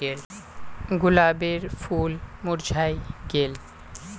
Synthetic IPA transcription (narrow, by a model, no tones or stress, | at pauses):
el | ɡulabeɾfulmuɾd͡ʑʱajɡel